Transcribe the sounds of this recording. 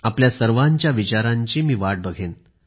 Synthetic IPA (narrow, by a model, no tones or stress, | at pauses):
apljasəɾʋaɲt͡ɕjaʋit͡ɕaɾãɲt͡ɕiːmiːʋaʈ̚bəɡʱen